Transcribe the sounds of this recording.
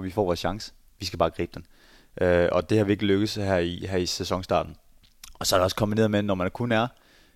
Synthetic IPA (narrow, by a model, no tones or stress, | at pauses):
ʋifɒ̰ːʋɒːsɕɑ̈ŋsə̥ | ʋisɡ̥æbɑːɡ̥ʁḭːb̥d̥en | ʔøɒ̽d̥e̝hɑ̈ʋie̝ɡ̥əløɡ̥əð̩ˠsæɦæɐ̰iɦæisesɒ̽ŋsd̥ɑ̰̈ːd̥n̩ | ɒ̽sɒ̽æɾeɒ̽skʰɒ̽mb̥ine̝ːɐðˠmedenːɒmænæɐkʰunæɐ